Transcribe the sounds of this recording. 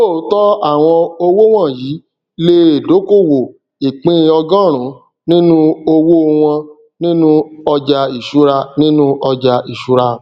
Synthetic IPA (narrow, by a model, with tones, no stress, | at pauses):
o˦˨˦tɔ˦a˦˨w̃ɔ̃˧o˧wo˦w̃ɔ̃˦˨jiː˨˦ | le˧e˨do˨˦ko˦˨wo˨ | i˨k͡pĩ˦˧ɔ˧ɡã˦˨ɾ̃ũ˨˦ | nĩ˦nũ˦o˧wo˦˧w̃ɔ̃˧ | nĩ˦nũ˦ɔ˧d͡ʒa˧i˨ʃu˨˦ɾa˧nĩ˦nũ˦ɔ˧d͡ʒa˧i˨ʃu˨˦ɾa˧